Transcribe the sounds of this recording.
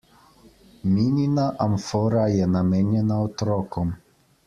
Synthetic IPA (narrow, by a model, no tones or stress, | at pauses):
mininaʔamfɔɾajɛnamɛːnjɛnaɔt̪ɾɔːkɔm